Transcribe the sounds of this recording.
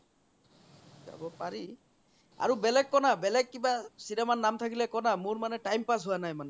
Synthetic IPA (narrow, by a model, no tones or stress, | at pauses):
za̰bɔpaɹi | a̰ɹubɛlɛkkɔnabɛlɛk̚kːibasinɛmannːamt̪ʰakilɛkɔnamʊɹmanɛʈajmpas̬ɦuwanajmanɛ